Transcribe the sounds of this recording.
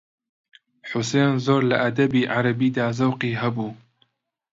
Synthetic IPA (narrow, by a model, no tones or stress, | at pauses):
ħʊseːnzoːɾlɐʔɐd̪ɐbiːʔaɾɐbiːd̪aːzɐwqiːɦɐbuː